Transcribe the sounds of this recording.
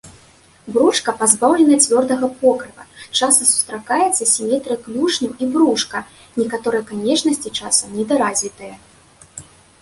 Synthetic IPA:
bɾuʂkɐpazbawlʲɛnɐɐt͡sʲvʲɔrd̪ɐɣɐpɔkɾɨpɐt͡ʂasɐsu̥st̪ɾakajɛt̪sːɐsʲimʲɛt̪ɾɨklʲuʂnʲuʔibɾuʂkɐ | nʲɛkat̪ɔɾɨjɛkanʲɛt͡ʂnɐsʲt͡sʲit͡ʂasɐmnʲɛd̪aɾazʲit̪ɐjɐ

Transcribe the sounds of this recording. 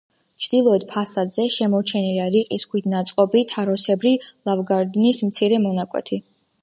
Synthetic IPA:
t͡ʃʰd̪̥ilˠɔɛd̪̚pʰasad̪zɛʃɛmɔɾt͡ʃʰɛniliaɾiqʼiskʰwit̪ʰnat̪sʼqʼɔbit̪ʰaɾɔsɛbɾilˠavɡaɾd̪nismt̪sʰiɾɛmɔnakʼwɛ̰t̪ʰi

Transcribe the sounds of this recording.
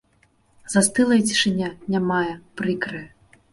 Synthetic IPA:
zast̪ɨlˠɐjt͡sʲi̥ʂɨnʲanʲamajɛpɾɨkɾɨ

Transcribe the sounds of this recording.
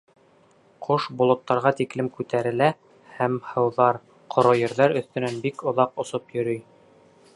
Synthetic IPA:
qʰoʃbŏlˠŏt̪ːɑɾʁɑt̪iklɘmkʉt̪æɾɘ̆læ | hæmhɤ̆wðɑɾ | qʰŏɾojɘ̆ɾðæɾɵ̆θt̪ɵ̆nænbikŏðɑqŏsopjɵ̆ɾyj

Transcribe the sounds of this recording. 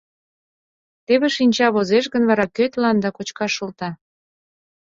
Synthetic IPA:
t̪eβeʃinʲt͡ɕɑβozeʃɣənβɑɾɑkøt̪lɑnd̪ɑkot͡ɕkɑʃult̪ɑ

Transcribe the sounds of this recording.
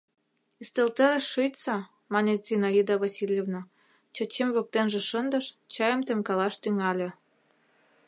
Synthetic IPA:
ist̪elt̪əɾeʃːəjt͡sɑ | mɑnet̪z̥ʲinɑid̪ɑβɑsʲilʲjevnɑ | t͡ɕɤ̆t͡ɕemβok̚t̪enʒĕʃə̆nd̪ɤ̆ʃt͡ɕɑjəmt̪emkɑlɑʃt̪yŋɑlʲĕ

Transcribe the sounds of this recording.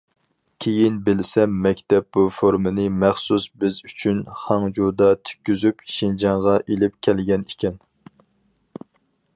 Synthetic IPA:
kʲʰejinbɪlsɛmːɛkʲt̪ɛp̚bufoɾmɨnɨmæχsusbɪzyt͡ʃʰynχɑŋd͡ʒud̪ɑt̪ʰy̥kʲːyzypʃind͡ʒɑŋʁɑʔelɪp̚kʲʰɛlɡʲɛnikʲɛn

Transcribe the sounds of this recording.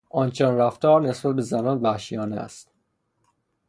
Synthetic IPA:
ʔɒːnt͡ʃʰɛnræft̪ɒːɾne̞sbæt̪̚be̞zænɒːnvæhʃijɒːnæ̰st̪

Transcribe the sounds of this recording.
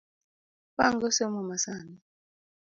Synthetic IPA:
paŋɡɔsemɔmasaːni

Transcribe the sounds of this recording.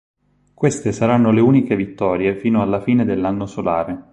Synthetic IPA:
kwest̪esaɾanːoleuːnikevit̪ːɔːɾjefiːnoalːafiːned̪elːanːosola̰ːɾe

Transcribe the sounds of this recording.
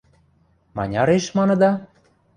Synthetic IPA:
mɑ̰nʲɑɾeʃmɑnɤ̆d̪ɑ

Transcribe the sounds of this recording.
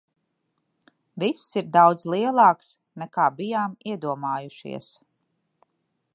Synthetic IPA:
visːiɾd̪awd̪zlˠiɛlˠɑːks | nɛkaːbijaːmiɛd̪uɔmaːjuʃḭɛs

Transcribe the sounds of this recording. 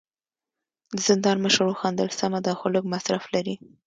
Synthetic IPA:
d̪əzɪnd̪ɑnməʃɾoxɑnd̪əlsamad̪ɑxʊləkmasɾaflaɾi

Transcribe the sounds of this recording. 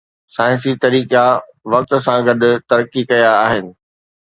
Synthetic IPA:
saːɪ̃nsit̪ɐɾiːka | ʋɐk̚t̪sãɡɐd̪ʊ̆t̪ɐɾəkːikɐjaːɦɪnɪ̆

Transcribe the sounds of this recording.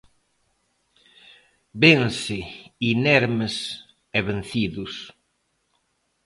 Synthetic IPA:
bensɪinɛɾmes | ɛβenθiðʊs

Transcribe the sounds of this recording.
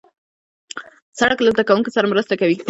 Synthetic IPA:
saɽaklot̪akawuŋkosaɾamɾəst̪akawi

